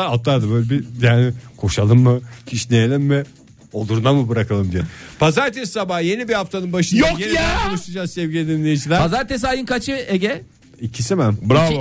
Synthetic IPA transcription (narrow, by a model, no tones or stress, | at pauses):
at̪ːad̪ɯbøjlʲebijaːnɪkʰo̞ʃalˠɯmːɯcʰiʃnejelʲimːɪ | od̪uɾnamɯbɯɾakalˠɯmd̪ijɛpʰazaɾt̪ʰessabahje̞nibihaft̪ʰanɯnbaʃɯnjokejaonˠuʃt̪ʰud͡ʒaːzsɛvɟilʲed̪inlʲejid͡ʒilʲæɾpazaɾt̪ʰes̬ajɯnkat͡ʃʰɯeɟɛ | icʰisimæmbɾa